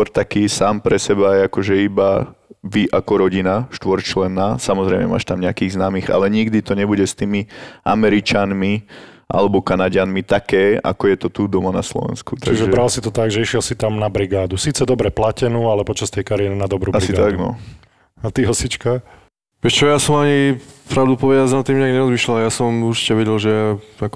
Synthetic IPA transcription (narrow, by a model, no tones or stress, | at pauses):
ɔɾt̪akiːsaːmpɾɛsɛbajɛakɔʒɛibaʋiʔakɔɾɔɟinaʃt̪ʋɔɾt͡ʃlɛnːaːsamɔzɾɛɪmɛ̰ma̰ːʃt̪amɲɛakiːɣznaːmiːɣa̰lɛɲiɡd̪it̪ɔɲɛbuɟɛst̪iːmia̰mɛɾit͡ʃanmi | ʔa̰lɛbɔkanaɟanmit̪akɛːa̰kɔjɛt̪ɔt̪ud̪ɔmanaslɔ̰ʋɛ̰nskut̪aʒɛʒɛbɾalsit̪ɔt̪aɡʒɛiʃɪɛlsit̪amnabɾiɡaːd̪usiːt͡sɛd̪ɔbɾɛplacɛnuːalɛpɔt͡ʃast̪ɛjkaɾijɛɾinad̪ɔbɾuːaɾisiɡat̪aɡnɔ̰ | at̪iɦɔsit͡ʃka | ʋɛt͡ʃɔjasɔmaɲipɾaʊd̪upɔʋɛdaznat̪ːiːmɲɛaɡɲɛɾɔzmiʃlalajasɔmuɾt͡ʃi̥cɛʋɛɟɛlʒɛaak